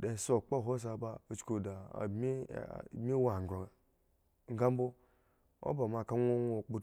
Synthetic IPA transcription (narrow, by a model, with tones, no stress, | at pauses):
da˨so˦˨k͡po˦˨ɦo˦s̬a˨ba˦o˨t͡ʃko˨da̰˨m̰˦˨mʲi˦wa˨ɡɾo˨ŋa˨ | ŋ̩˦ɡa˦m˦bo˦ | o̰˦ba˨ma˨ka˦ŋʷo˦ŋʷo˨k͡pu˦